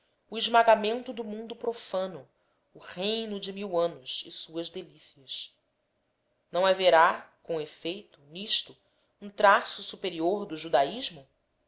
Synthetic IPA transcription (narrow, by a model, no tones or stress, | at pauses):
ʊɪʒmaɡamẽnt̪ʊd̪ʊmũnd̪ʊpɾofɐ̃nʊː | ʁejnʊd͡ʒɪmiwɐ̃nʊʃɪsuɐzd̪elisiɐʃ | nɐ̃w̃aveɾakõw̃efejt̪ʊniʃt̪ʊ | ũt̪ɾasʊsupeɾioɾd̪ʊʒud̪aiʒmʊ